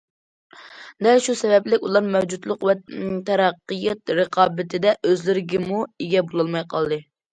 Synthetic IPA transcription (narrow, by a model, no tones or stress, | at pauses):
d̪ɛlʃusɛvɛplɪkʲulˠɑɾmɛwd͡ʒut̪lˠʊqwɛt̪ʰɛɾɑqːɨjɛt̪ɾəqʰɑːbɪt̪ʰɪd̪ɛʔøzlɪɾɪɡʲɪmueɡʲɛbolˠɑlˠmɑjqʰɑlˠd̪ɨ